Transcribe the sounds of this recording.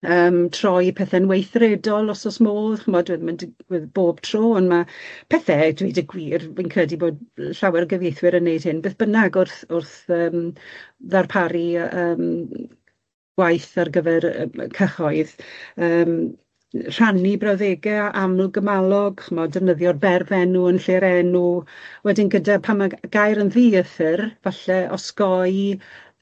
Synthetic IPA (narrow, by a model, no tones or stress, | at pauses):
əːmtʰr̥ɔjpʰɛθɛnwejθrɛdɔlˠɔsɔsmoːðχəmɔdwɛðmɪndwɛðb̥oːb̥tʰr̥oːɔnmapʰɛθɛdwedəɡwiːrminkʰrɛdiboːd̚ɬawɛɾɡəvjejθwɪɾənːejd̥hɪnbeːθb̥ənaɡʊrθʊrθəːm | ðarpʰaɾiəːm | ɡ̥wajθarɡəvɛrkʰəχɔɨðəːm | r̥anibrawðeːɡɛʔamlˠɡəmalˠɔɡχɔmɔdəvnəðjɔdbɛrvɛnuənɬeːɾɛnuwɛdɪnɡədapʰamaɡ̥ajɾənðiːəθərvaɬɛɔ̰skɔɨ